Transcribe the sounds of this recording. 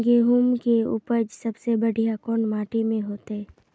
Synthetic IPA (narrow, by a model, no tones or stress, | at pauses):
ɡeːɦumkeʊ̰pəd͡ʒsɐbsebəɽ̤ʱijakɔːnmaːʈimẽɦoːt̪eɦɛː